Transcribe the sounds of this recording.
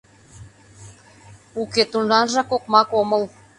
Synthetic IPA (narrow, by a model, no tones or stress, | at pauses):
uket̪unlɑnʒɑkokmɑkomə̆lˠ